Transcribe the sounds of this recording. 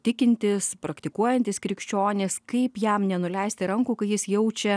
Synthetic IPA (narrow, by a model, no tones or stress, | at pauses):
t̪ʲɪkʲɪnʲt̪ʲɪspɾɐkt̪ʲɪkuɔjɛnʲt̪ʲɪskɾʲɪkʃʲt͡ʃʲoːnʲɪskɐɪpjɛmnʲɛnʊlʲɛɪsʲt̪ʲɪɾɐŋkuːkɐɪjɪsjɛʊt͡ʃʲɛ